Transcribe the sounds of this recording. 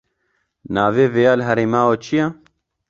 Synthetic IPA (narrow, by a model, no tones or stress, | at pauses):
naːveːveːjaːlɦɛɾeːmaːwot͡ʃʰija